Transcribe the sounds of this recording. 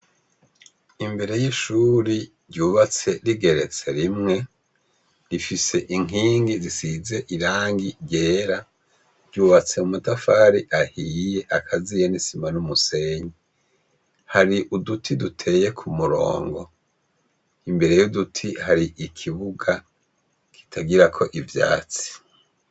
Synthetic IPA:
imbe̞ɾe̞jiʃuːɾi | ɾɟuːβat͡se̞ɾiɡe̞ɾe̞t͡se̞ɾimŋe̞ | ɾifise̞ʔiŋiːŋɡizisize̞ʔiɾaːŋɡiɟeːɾa | ɾɟuːβat͡se̞umutafaːɾiʔahije̞ʔakʰazijenisimanumuse̞ɲi | haɾiʔudutʰidutʰe̞je̞kʰumuɾo̞̰ːŋɡo̞ | imbe̞ɾe̞judutʰihaɾiʔikʰiβuɡa | kʰi̥tʰaɡiɾakʰo̞ʔivja̰ːt͡si̥

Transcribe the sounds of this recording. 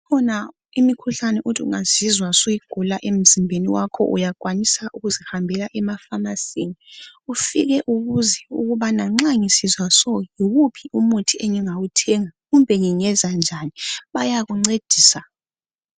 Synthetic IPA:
kʰɔna | imikʰuɬanɛʔutʰiṵŋaz̥izwasujiɡ̥ʱulaʔem̩zimbʱeniwakʰɔ̰ʔṵjak̬ʼwanisaʔuɣuzihambʱɛlaʔɛmafanasiniufiɣɛʔuɣuzɛṵɣuβanaŋ͡ǁaŋisizwasɔjiɣupʰiʔumutʰiʔɛŋɛŋawutʰɛːŋaɣumbʱɛŋiŋɛzand͡ʒʱaniɓajaɣuŋ͡ǀed̥ʱiːsa

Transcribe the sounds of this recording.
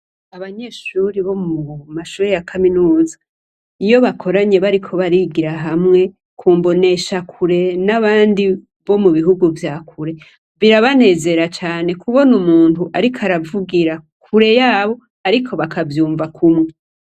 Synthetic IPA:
aβaɲe̞ːʃuɾiβo̞mumaʃuːɾejakʰaminuːza | ijo̞βakʰo̞ɾaɲe̞βaɾikʰo̞βaɾiːɡiɾaɦamŋe̞ | kʰuːmbo̞ne̞ʃakʰuɾe̞naβaːndi | βo̞muβiɦuɡuvjaːkʰuɾe̞ | βiɾaβane̞ːze̞ɾat͡ʃaːne̞kuβo̞numuːntuʔaɾikʰaɾavuɡiɾa | kʰuɾe̞jaːβo̞ | aɾikʰo̞βakʰavjuːɱvakʰumŋe

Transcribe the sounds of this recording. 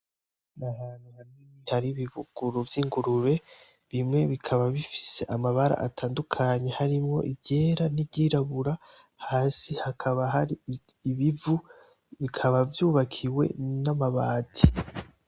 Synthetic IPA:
naɦanihamimihaɾiβiβuɡ̥uɾuvjiːŋɡuɾuɾe̞ | βimŋe̞βikʰaβaβifi̥se̞ʔamaβaɾa̰ʔatʰaːndukʰaɲe̞haɾimŋo̞̰ʔibɟe̞ːɾanibɟiːɾaβuɾa | haːsihakʰaβaɦaɾiː | βivu | βikʰaβavjuːβakʰiwe̞̰namaβaːtʰi

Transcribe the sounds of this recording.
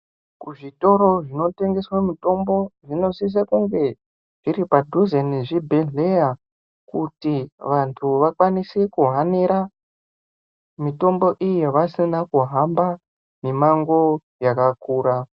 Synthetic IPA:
kuʐito̞ɾo̞ʐino̞te̞ŋɡe̞swemito̞mbo̞ʐino̞sis̬akuŋɡe̞ | ʐ̥iɾipadʱuzeniʐibʱeneja | kutiʋantʰuʋakwanisekuɦaniɾa | mito̞mbo̞ʔije̞ʋasinakuɦamba | nemaŋɡo̞ | jakakuːɾa

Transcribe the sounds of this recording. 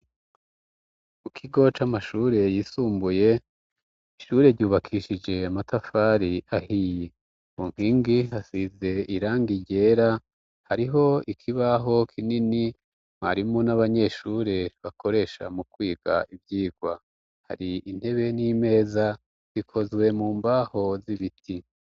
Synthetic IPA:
mukʰiɡo̞t͡ʃamaʃuːɾe̞jiːsuːmbuje̞ | iʃuːɾe̞ɾɟuːβakʰiːʃid͡ʒe̞amatafaːɾiahije | muŋ̥hiːŋɡihasize̞iɾaːŋɡiɟe̞ːɾa | haɾiɦo̞ikʰiβaɦo̞kʰinini | ma̰ɾimonaβaɲe̞ʃuːɾe̞βakʰo̞ɾe̞ʃa̰mukwiːɡ̥a̰ʔivjiːɡ̥wa | ha̰ɾiin̥he̞βe̞niːme̞ːza | z̥ikʰo̞zwe̞muːmbaho̞ziβitʰi

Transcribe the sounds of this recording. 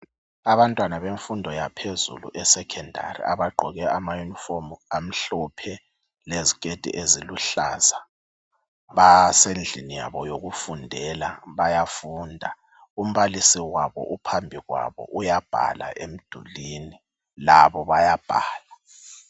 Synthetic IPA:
aβantʼwanaβeɱfundʱɔjapʰezṵlṵʔɛsɛkʰɛndʱa̰rḭaβaɡ͡ǃʱɔɣɛʔamajunifomam̩ɬɔpʰɛ | lezikʼed̥ʱḭʔeziluɬa̰za | βasend͡ɮʱinija̰βɔjoɣufundʱɛlaβajafuːndʱa | um̩βalisiwaβɔ̰ʔupʰambʱiɣwa̰βɔ̰ʔujab̥ʱa̰la̰ʔem̩d̥ʱṵlini | laβɔβajab̥ʱa̰ːla

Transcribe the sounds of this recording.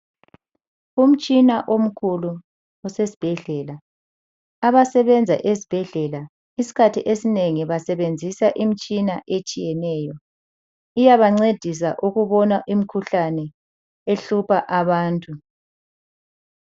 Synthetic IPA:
um̩t͡ʃʼinaʔom̩kʰulu | ɔsesi̥b̥ʱɛɮɛla | aβasɛβɛnd͡zʱa̰ʔesi̥b̥ʱɛɮɛla | isi̥kʰatʰiʔesineŋiβasɛβend͡zʱisaʔimit͡ʃʼinaʔet͡ʃʼijɛnɛːjɔ | ijaβaŋ͡ǀed̥ʱis̬aʔuɣuβɔnaʔim̩kʰuɬanɛ | eɬupʰaʔaβaːntʼu

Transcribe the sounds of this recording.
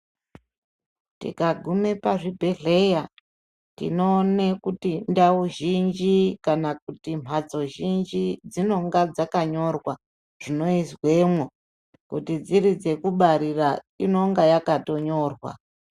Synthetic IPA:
tḭkaɡʱume̞paʐibʱe̞ɮe̞ja | tḭno̞ːnekutindauʒind͡ʒikanak̚utim̤ʱat͡so̞ʒind͡ʒid͡zino̞ŋɡad͡zakaɲo̞rwa | ʐ̥ino̞izwe̞ːmwo | kutid͡ziɾid͡ze̞kuɓaɾira | ino̞ŋɡajakato̞ɲo̞ːrwa̰

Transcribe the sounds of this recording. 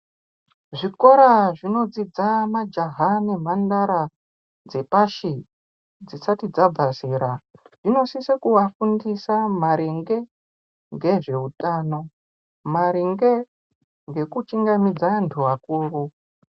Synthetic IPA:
ʐiko̞ɾaʐino̞d͡zid͡zamad͡ʒaɦanemandaɾa | d͡zepaʃi | d͡zisatid͡zab͡vʱasiːɾa | ʐ̥ino̞sisekuʋafundisamaɾeŋɡe̞ | ŋɡe̞ʐe̞utaːno̞ | maɾiŋɡe̞ | ŋɡe̞kut͡ʃiŋɡamid͡zantʰuɦakuːru

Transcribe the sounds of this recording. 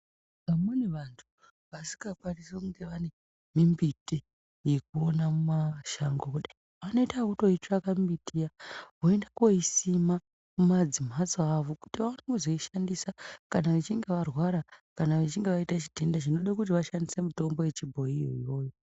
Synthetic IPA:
amuneʋantʰu̥ | ʋasi̥ɡakwarisekuŋɡe̞ʋane | mimbiti | jek̚uonamumaʃaŋɡokuɗi | ano̞itaakuto̞it͡ʃakamitijaɦoendakoisima | kumad͡zim̤at͡soaʋoku̥tiʋanoŋuzoiʃandisakanaʋet͡ʃiŋɡe̞ʋarwaɾakanaʋet͡ʃiŋɡeʋaitat͡ʃi̥tendat͡ʃino̞ɗakutiʋaʃandise̞muto̞mbo̞je̞t͡ʃibʱo̞ijo̰ijo̞ːjo

